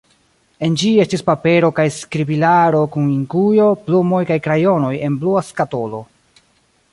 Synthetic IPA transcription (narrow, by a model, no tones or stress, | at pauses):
e̞nd͡ʒie̞stispape̞ɾo̞kajskɾibilaɾo̞kuniŋkujo̞plumo̞jkajkɾajo̞no̞je̞nbluaskato̞lo̞